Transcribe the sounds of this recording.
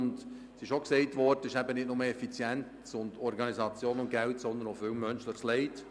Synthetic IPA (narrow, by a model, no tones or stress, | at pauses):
nd | sɪʃoksɛɪtʋɔɾdəɪʃæbənɪt̚nʊməɛfit͡sjæntt͡sʊndɔɾɡɑnizɑt͡sjoːnʊntɡ̥æltsɔnd̪ənofʏwmœnʃlɪχslɛɪt